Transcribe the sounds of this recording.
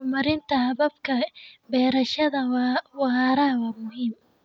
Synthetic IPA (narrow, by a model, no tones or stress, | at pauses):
mɐɾɪnt̪ʰɐhɐβɐbkʰɐbɛːɾɐʃɐðɐwwɑɑɾɐwɑːmʊɦiːm